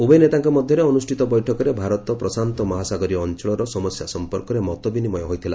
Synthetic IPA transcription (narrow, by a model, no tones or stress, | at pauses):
ubɔjnet̪aŋkɔmɔd̪ʱjɔɾeɔnusʈʰit̪ɔbɔjʈʰɔkɔɾebʱaɾɔt̪ɔpɾɔsant̪ɔmɔɦasaɡɔɾiɔnt͡ʃɔɭɔɾɔsɔmɔsjasɔmpɔɾkɔɾemɔt̪ɔbinimɔjɔɦojt̪ʰila̰